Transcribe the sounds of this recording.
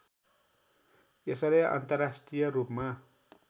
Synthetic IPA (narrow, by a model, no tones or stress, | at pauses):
esʌleʔa̰nt̪ʌrːasʈrijʌrupma